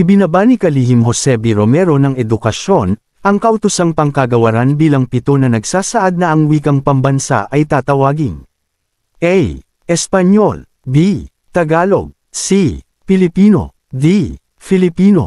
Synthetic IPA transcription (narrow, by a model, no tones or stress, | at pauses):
ʔibɪnabanikɐlihimho̞sɛbiɾomɛɾo̞nɐŋɛd̪ʊkɐʃo̞n | ʔɐŋkɐʔʊt̪ʊsaŋpɐŋkɐɡɐwɐɾanbiːlɐŋpɪt̪onɐnɐɡsaːsɐʔad̪̚nɐʔɐŋwiːkɐŋpɐŋbɐnsa̰ʔɐjt̪aːt̪ɐwaːɡɪŋ | ʔɛj | ʔɛspɐɲol | bi | t̪ɐɡaːlo̞̰ɡ̚ | si | pɪlɪpiːno̰ | d̪i | fɪlɪpiːno̞̰